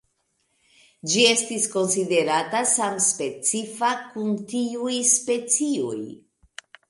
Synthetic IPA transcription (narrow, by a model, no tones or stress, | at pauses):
d͡ʒie̞stisko̞nside̞ɾatasamspe̞t͡sifakuntiujspe̞t͡sio̰j